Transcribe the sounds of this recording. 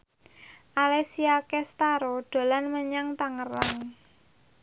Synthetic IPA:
ʔalesiakɛst̪aɾoɖ̪̥o̤lanməɲaŋt̪aŋəraŋ

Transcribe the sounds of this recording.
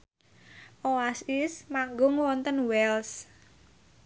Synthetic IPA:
ʔoasɪsmaŋɡʊŋwɔnt̪ənwɛls

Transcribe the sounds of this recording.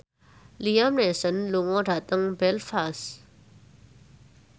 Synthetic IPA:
liamnesənluŋɔɖa̤t̪əŋbɛlfas

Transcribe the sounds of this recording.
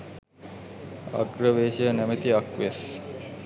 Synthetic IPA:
a̰ɡɾəʋeːʃəjənæmet̪iakʋes

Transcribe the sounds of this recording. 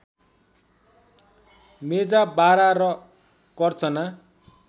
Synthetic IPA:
med͡zabaɾaɾʌ | kʌrt͡sʌna

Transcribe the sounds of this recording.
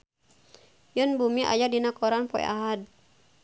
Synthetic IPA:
junbumiʔa̰jadinakɔɾanpɔj̰ʔa̰ɦad̚

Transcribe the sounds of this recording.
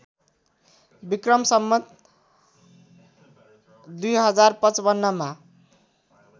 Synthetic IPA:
bikrʌmsʌmːʌt̪ | d̪ujɦʌd͡zarpʌt͡sbʌnːʌma

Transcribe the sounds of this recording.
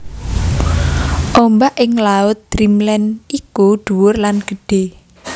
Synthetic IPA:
ʔɔmbaʔɪŋlaʊt̪̚d̪̥ɾimlɛnikuɖ̪̥uwʊrlanɡ̥əɖ̥e

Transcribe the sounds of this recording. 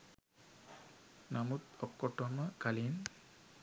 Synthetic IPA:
namut̪ɔkːɔʈːɔməkalin

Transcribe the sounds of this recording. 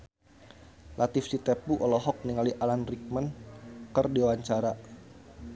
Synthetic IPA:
lʔat̪ifsit̪epuʔɔlɔɦɔk̚niŋaliʔalanrik̚mankərdiwaɲt͡ʃaɾa

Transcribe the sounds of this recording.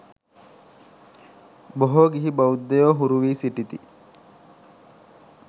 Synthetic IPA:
boɦoːɡiɦibɐud̪ːejoːɦuɾuʋiːsiʈit̪i

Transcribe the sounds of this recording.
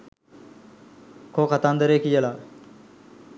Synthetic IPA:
kʰoːkʰat̪ãːnd̪əɾeːkijelaː

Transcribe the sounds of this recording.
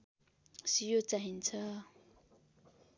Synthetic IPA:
sijot͡saɦint͡sʰa

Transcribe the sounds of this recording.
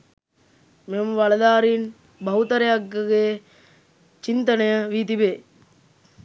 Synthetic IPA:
meməʋalɐd̪aːɾin | bɐɦut̪əɾejaɡːəɡeː | t͡ʃint̪ənəjəʋiːt̪̬ibeː

